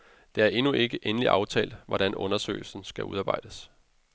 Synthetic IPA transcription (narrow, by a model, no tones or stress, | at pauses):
d̥e̝æɐʔe̝nuʔe̝ɡ̥əʔenəliʔɑ̈ʊt͡sʰɛ̰ːldʋɒɾænʔɔ̽nɐsø̰ːɪl̩sn̩sɡ̥æʔṵðˠɑ̈ːb̥ɑ̈ɪ̰d̥əs